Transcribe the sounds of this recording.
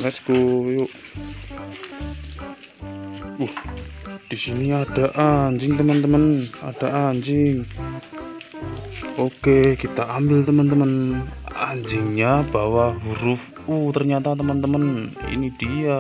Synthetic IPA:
mɛsɡ̥ojoʔ | uhd̥isiniad̥aʔaɲd͡ʒɪŋt̪əmənt̪əmənad̥aʔaɲd͡ʒɪŋ | okekit̪aambɪlt̪əmənt̪əmənaɲd͡ʒɪŋɲabawaɦuɾʊf | ut̪ərɲat̪at̪əmənt̪əmənḭnid̥ia

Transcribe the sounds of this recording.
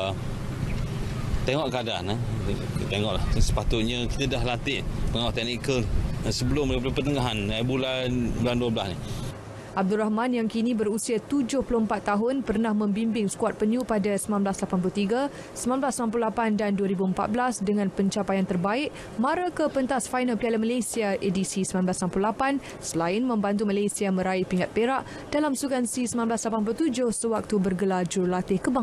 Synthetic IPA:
t̪eŋɔʔkadana | t̪eŋɔʔlahsə̥pat̪ʊt̪̚ɲəki̥t̪adahlant̪ɪʔpəŋawat̪ɛʔnikəldansəbəlʊmliplupərt̪əŋaɦanabulanbulanduwablasni | ʔab̚dulrahmãnjaŋkinĩbəɾusiat̪ud͡ʒʊhpəlʊəmpat̪ːaɦʊnpərnahmə̃mbimbɪŋsə̥kwat̪̚pəɲupadasəmãnblaslapanp̬ulut̪iɡa | səmãnblasːəmãmp̬luhlapandanduəɾibuəmpa̰t̪̚blasdəŋãnpəɲt͡ʃapajant̪ərbaɪʔ̚ | mãɾakəpənt̪asfajnalpialəmalasiaʔedisisəmãnblasəmamplulapan | səlaɪnmə̃mbant̪̬umalesiamə̃ɾaɪhpiŋat̪̚peɾaʔ | d̥alamsukansisəmãnblaslapanpulut̪ud͡ʒʊhsəwak̚t̪ubərɡəlad͡ʒurlat̪ɪhkəbaŋ

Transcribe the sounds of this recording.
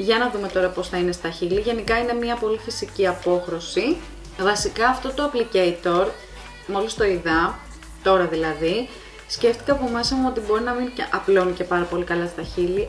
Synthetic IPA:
ʝɐnɐðume̞t̪o̞ɾɐpo̞sθɐine̞st̪ɐçiliʝe̞nikɐine̞mɲɐpo̞lifisiciɐpo̞xɾo̞si | vɐsikɐːft̪o̞t̪o̞ɐplice̞it̪o̞ɾ | molist̪o̞iðɐ | t̪o̞ɾɐðilɐði | sce̞ft̪i̥kɐɐpo̞me̞sɐmuo̞t̪ibo̞ɾinɐminɐplo̞nice̞pɐɾɐpo̞likɐlɐst̪ɐçili

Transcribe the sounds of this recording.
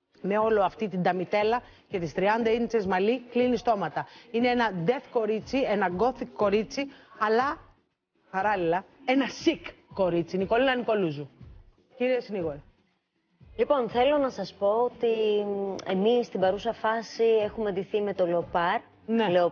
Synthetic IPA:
me̞o̞lo̞ɐft̪it̪ind̪ɐmit̪e̞lɐ | ce̞t̪ist̪ɾiɐnd̪ɐinit͡se̞zmɐliklinist̪o̞mɐt̪ɐineenɐd̪e̞θko̞ɾit͡sienɐɡo̞θikːo̞ɾit͡siɐlɐ | pɐɾɐlilɐe̞nɐsikːo̞ɾit͡siniko̞linɐniko̞luzu | ciɾiesiniɣo̞ɾi | lipo̞nθe̞lo̞nɐsɐspo̞ot̪i | emisːt̪ibɐɾusɐfɐsie̞xume̞ðiθime̞t̪olpɐɾ | neleo

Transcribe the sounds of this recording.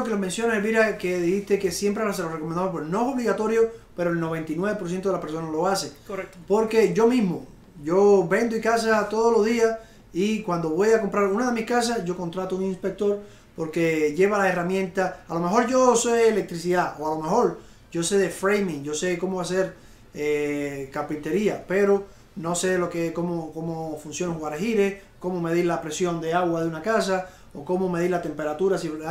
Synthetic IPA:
kelomẽnsjo̞naelβiɾakeðihiht̪e̞ke̞sje̞mpɾealas̬elorekomẽnd̪amopwesnoeso̞βliɣat̪o̞ɾjope̞ɾoelno̞β̞e̞nt̪inweβepos̬je̞nt̪oelapeɾsonalo̞aseoepo̞ɾke̞ʝo̞mĩzmo | ʝo̞βẽ̞nd̪oikas̬at̪oðolo̞zðias | ikwand̪o̞βo̞jakompɾaɾunaðe̞mihkas̬asʝo̞ko̞nt̪ɾat̪ouŋĩnspek̚t̪o̞ɾ | po̞ɾke̞ʝe̞βalae̞ramjẽnt̪aalo̞meɦo̞ɾʝo̞seelek̚t̪ɾisiðaoalo̞mexo̞ɾ | ɟ͡ʝo̞se̞ðefɾejmĩŋd͡ʒo̞se̞ko̞moβas̬eɾ | ekapint̪e̞ɾiape̞ɾo̞ | no̞se̞lokekomoko̞mofunsjo̞neŋhuwaɾahiɾesko̞mome̞ðiɾlapɾe̞sjo̞nd̪eaɣwaðeunakas̬a | oko̞mome̞ðiɾlat̪e̞mpeɾat̪uɾasi

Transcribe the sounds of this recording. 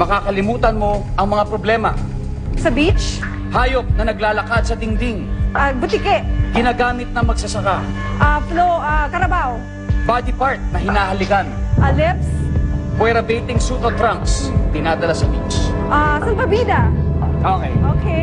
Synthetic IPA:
mɐkaːkɐlɪmuːt̪ɐnmo̞ʔɐŋmɐŋapɾoblɛːmɐ | sɐbit͡ʃ | haːjop̚nɐnɐɡlaːlɐkad̪̚sɐt̪ɪŋd̪ɪŋʔɐbʊt̪ikɛʔɡɪnaːɡaːmɪt̪̚nɐŋmɐɡsɐsɐkaʔafloʔakɐɾɐbaho | bad̪ɪpaɹt̪̚nɐhɪnaːhɐlɪɡanʔɐlɪpspwɛɾɐbɛjt̪ɪŋsut̪ɐvt̪ɾaŋksd̪ɪnaːd̪ɐlasɐbit͡ʃʔasɐlbɐbiːd̪ɐokɛjʔoːke

